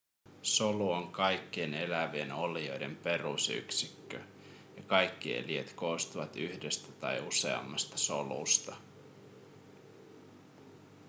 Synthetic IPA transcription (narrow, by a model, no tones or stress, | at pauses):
so̞luoŋkɑjkːiene̞læʋienolio̞jde̞mpe̞rṵsy̰ksikːø | jɑkɑjkːie̞̰lie̞̰t̪ko̞ːst̪uʋɑt̪yhde̞st̪æt̪ɑjuse̞̰ɑ̰mːɑst̪ɑ̥so̞lṵst̪ɑ